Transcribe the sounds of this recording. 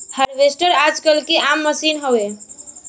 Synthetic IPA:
həɾʋesʈəɾad͡ʒkəlkeʔamːəsinɦowe

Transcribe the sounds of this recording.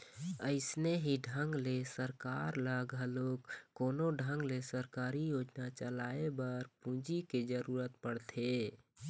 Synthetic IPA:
əɪsneɦiɖʱə̃ŋɡlesəɾkaːɾləɡɦəloːkkːoːnoɖʱə̃ŋɡlesəɾkaːɾijoːd͡ʒnat͡ʃəlaːebəɾpũːd͡ʒiked͡ʒəɾuːɾət̪̚pəɽt̪ʰe

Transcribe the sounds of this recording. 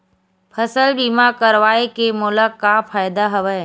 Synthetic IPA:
pʰəsəlbiːmakəɾʋaːekemʊləkːafʰaːjd̪aɦɐʋəː

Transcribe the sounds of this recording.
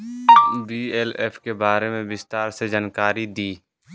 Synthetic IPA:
biːɛleːpʰkebaːɾemẽbɪst̪aːɾsed͡ʒaːnkaːɾid̪iː

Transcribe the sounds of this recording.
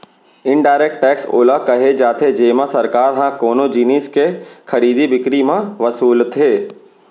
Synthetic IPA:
ɪ̃ɳɖaːɪɾɛk̚ʈʈɛːkso̰ːləɦkɐɦed͡ʒaːt̪ʰed͡ʒeːmãsɐɾkaːɾɦãkoːnod͡ʒiːniːskekʰɐɾiːd̪ibɪkɽimãʋɐsuːlt̪ʰeː

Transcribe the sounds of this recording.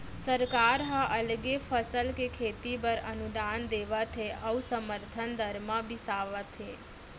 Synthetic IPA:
səɾkaɾɦãʔəlɡefəsəlkekʰet̪ibəɾə̰nud̪and̪eʋat̪ʰeʔəʋusəməɾt̪ʰənd̪ʱəɾmãbʱisaʋat̪ʰe

